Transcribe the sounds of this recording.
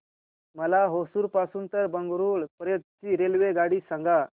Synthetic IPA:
məlaɦosuːɾpasuːnt̪əɾbəŋɡɾuːɭpəɾjət̪̚t͡ɕiːɾelʋeɡaɽiːsãŋɡa

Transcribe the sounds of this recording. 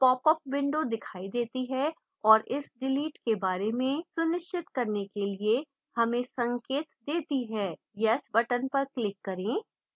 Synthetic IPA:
pɔːpəp̚ʋɪ̃ɳɖod̪ɪkʰaːid̪eːt̪iɦɛ | ɔːɾɪsɖɪliːʈkebaːɾemẽsʊnɪʃt͡ʃɪt̪kɐɾnekelie | hɐmẽsɐ̃ŋkeːt̪d̪eːt̪iɦɛː | jɛsbɐʈənpɐɾklɪkːɐɾẽː

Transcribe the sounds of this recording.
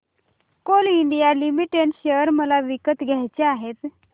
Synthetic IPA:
koliɳɖijalimiʈeɳʈɕəɾməlaʋikət̪ɡʱajt͡ɕeaɦet̪

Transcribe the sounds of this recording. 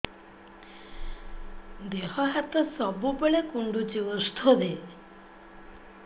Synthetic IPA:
d̪eɦɔɦat̪ɔsɔbubeɭekuɳɖut͡ʃiɔst̪ʰod̪e

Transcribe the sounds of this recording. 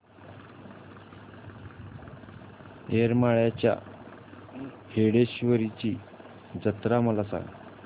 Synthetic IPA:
eɾmaɭjat͡ɕja̰ | heɽeɕʋəɾit͡ɕiː | d͡zət̪ɾaməlasa̰ŋɡ

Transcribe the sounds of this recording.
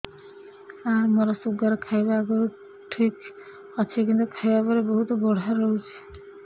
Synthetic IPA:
amoɾɔsuɡaɾkʰajbaɡo | ʈʰik | ɔt͡ʃʰekint̪ukʰajbabɔɾeboɦut̪ɔbɔɽ̤aɾoɦut͡ʃʰe̥

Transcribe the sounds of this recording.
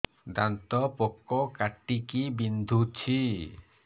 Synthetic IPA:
d̪ant̪ɔpɔkːɔkaʈːikibind̪ʱut͡ʃʰi

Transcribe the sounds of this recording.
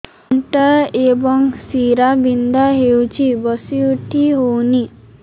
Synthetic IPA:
ʈaebɔŋsiɾabind̪aɦewt͡ʃʰibɔsiuʈʰiɦowni

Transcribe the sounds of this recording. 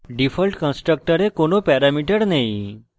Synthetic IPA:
ɖifʰəlʈkə̃nsʈɾək̚ʈəɾekoɳopɛɾamiʈəɾnai

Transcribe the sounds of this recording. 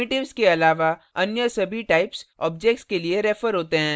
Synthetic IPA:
ɪʈɪʋskeɐlaːʋa | ɐnjəsɐbʱiʈaɪpsɔ̰ːb̚d͡ʒɛk̚ʈskelieɾɛːfəɾɦoːt̪eɦɛ̃ː

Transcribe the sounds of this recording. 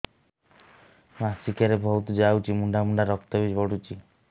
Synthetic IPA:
masikaɾebʱɔwt̪ud͡ʒawt͡ʃʰimuɳɖamuɳɖaɾɔk̚t̪ɔbid͡ʒɔɽut͡ʃʰi

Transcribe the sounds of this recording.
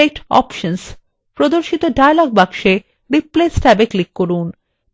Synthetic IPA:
ek̚ʈɔ̰pʃons | pɾod̪oɾʃit̪oɖajalɔɡ̚bakʃe | ɾiplesʈɛbeklikːoɾun

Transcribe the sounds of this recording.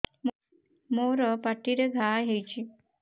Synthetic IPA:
m | moɾəpaʈːiɾeɡʱaɦejt͡ɕi

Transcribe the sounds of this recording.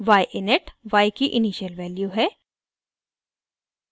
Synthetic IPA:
ʋaːjʔɪneʈʋaːikiʔɪniːʃəlʋɛːljuɦɛː

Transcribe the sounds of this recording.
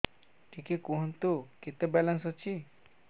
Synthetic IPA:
ʈʰikikoɦnt̪uket̪ebɛlansɦɔt͡ʃʰi

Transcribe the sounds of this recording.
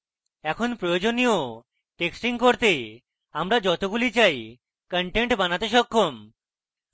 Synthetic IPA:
ɛkʰonpɾojod͡ʑonijo | ʈeksʈiŋkoɾt̪e | amɾad͡ʑɔt̪oɡulit͡ɕaj | kəɳʈeɳʈbanat̪eʃɔkʰːom

